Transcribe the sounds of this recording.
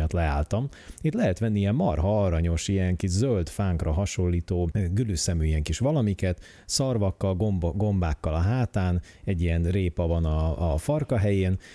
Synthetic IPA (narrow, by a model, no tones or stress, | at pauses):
ɒt̪lɛaːlt̪ɒm | it̪lɛɦɛt̪ʋɛnːiiɛmːɒ̰rɦɒɒɾɒɲo̞ʃijɛŋkiʒzølt̪faːŋkrɒɦɒʃo̞lːiːt̪oːɡylysɛmyːiɛŋkiʃʋɒlɒmikɛt̪ | sɒrvɒkːɒlɡɡo̞mbaːkːɒlɒɦaːt̪aːn | ɛɟːijɛnreːpɒvɒnɒːfɒrkɒɦɛjeːn